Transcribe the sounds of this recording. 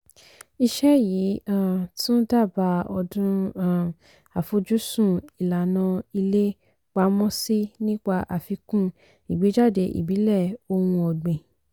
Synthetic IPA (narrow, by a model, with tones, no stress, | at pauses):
i˧ʃɛ˦jiː˨˦ã˦˨tũ˦da˦˨ba˧ɔ˧dũ˦ã˦˨ | a˨fo˧d͡ʒu˦sũ˦˨i˨la˨nã˧i˧le˦ | k͡pa˧˦mɔ̃˦si˦nĩ˦k͡pa˧ʔa˨fi˧kũ˦ | i˨ɡ͡bi˨˦d͡ʒa˦˨de˧ʔḭ˨bi˨˦lɛ˦˨o˧wũ˧ɔ˨ɡ͡bẽ˨